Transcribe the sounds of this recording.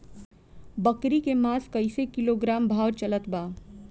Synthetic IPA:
bəkɾikemaːskɐɪsekɪloɡɾaːmbʱaːwɾt͡ʃɐlət̪baː

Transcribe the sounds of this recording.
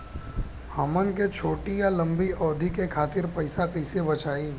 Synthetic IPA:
hɐmənk̬et͡ʃʰoːʈijalə̃mbiɔːd̪ʱikekʰaːt̪ɪɾpɐɪsakəɪsebɐt͡ʃʰaːiː

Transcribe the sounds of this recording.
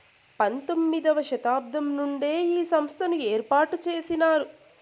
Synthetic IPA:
pɐnt̪o̞mːid̪ɐʋɐʃɐt̪aːb̚d̪ʱɐmnuɳɖe̞ːiːsɐmst̪ʰɐnueːɾpaːɾʈut͡ʃe̞ːsinaːɾu

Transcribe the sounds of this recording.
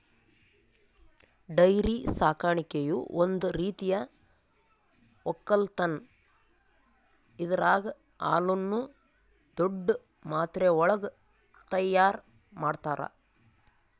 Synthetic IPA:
ɖɐjɾisaːkaːɳikejuond̪uɾiːt̪ijɐ | ɔkːɐlt̪ɐn | id̪ɐɾaːɡɐ | a̰ːlunːu | d̪oɖː | maːt̪ɾeɔɭɐɡɐ | t̪ɐjːaːɾ | maːɖt̪aːɾɐ̰

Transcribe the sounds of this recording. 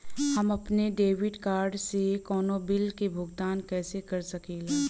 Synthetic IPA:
hɐmɐpneɖeːʋɪɖkaːɾɖsekɔːnobɪlkebʱʊɡt̪aːnkɛːsekɐɾsɐkeːle

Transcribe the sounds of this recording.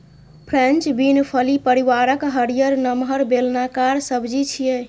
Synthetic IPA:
pʰɾẽnt͡ʃbinpʰəlipəɾiʋaɾəkɦəɾijəɾnəmɦəɾbelnakaɾsəbd͡ʒit͡ʃʰijɛ

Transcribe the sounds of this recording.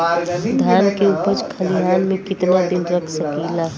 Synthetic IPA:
d̪ʱjaːnkeʊpəd͡ʒkʰəliɦaːnmẽkɪt̪nad̪ɪnɾəkʰsəkilaː

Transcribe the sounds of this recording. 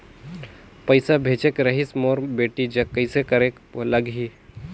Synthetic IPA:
pəjsabʱet͡ʃekɾəɦismoɾbeːʈid͡ʒɐkːəɪsekəɾek | ləɡɦi

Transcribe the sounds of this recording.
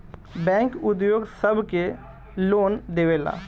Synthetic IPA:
bɛ̃ːŋkʊd̪joːɡsəbke | loːnd̪eːʋeːla̰ː

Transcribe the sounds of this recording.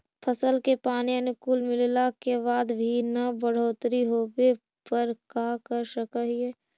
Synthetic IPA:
pʰəsəlkepaːniənʊkuːlmɪllakebaːd̪bʱinabəɽ̤oːt̪ɾiɦoːbe | pəɾkaːkəɾʃəkəɦiɛː

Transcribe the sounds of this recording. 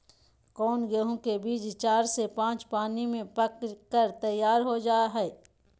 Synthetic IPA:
kɔːnɡeɦõkebiːd͡ʒt͡ʃaːɾsepãːt͡ʃpaːnimẽpəkkəɾt̪ɐjːaːɾɦod͡ʒaːɦɛː

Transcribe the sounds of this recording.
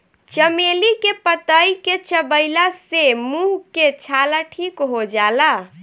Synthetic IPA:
t͡ʃəmelikepət̪əjket͡ʃəbəɪlasemuɦket͡ʃʰalaʈʰikɦod͡ʒala

